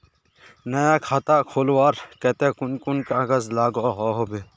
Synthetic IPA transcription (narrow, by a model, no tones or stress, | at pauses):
nɐjaːkʰaːt̪aːkʰoːlwaːɾkɛt̪ẽːkʊnkʊnkaaɡɐzlaːɡoɦoɦobe